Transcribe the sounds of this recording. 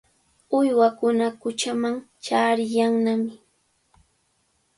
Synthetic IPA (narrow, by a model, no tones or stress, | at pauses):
ʊjwakʊnakʊt͡ʃamaŋt͡ʃaːɾɪjaŋnamɪ